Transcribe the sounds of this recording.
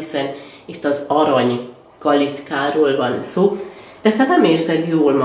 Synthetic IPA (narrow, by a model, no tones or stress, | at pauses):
isɛnit̪ːɒzɒɾɒɲ | kɒlit̪kaːɾoːlvɒnsoːd̪̥ɛt̪hɛnɛmeːrzɛd̪joːlmɒ